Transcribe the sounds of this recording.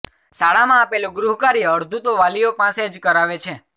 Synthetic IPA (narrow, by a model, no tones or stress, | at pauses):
saɭamãːpeloɡɾuɦkaɾijəɾd̪ʱut̪oʋalijopãsed͡ʒkəɾaʋet͡ʃʰe